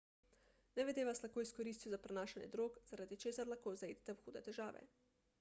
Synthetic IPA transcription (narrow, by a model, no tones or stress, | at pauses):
nɛʋɛd̪eːʋaslakoːiskɔɾiːst̪juzapɾɛnaːʃanjɛ̰d̪ɾoːkz̥aɾad̪it͡ʃeːsaɾlaxkoːzaiːd̪ɛt̪ɛwxuːd̪ɛt̪ɛʒaːʋɛ̰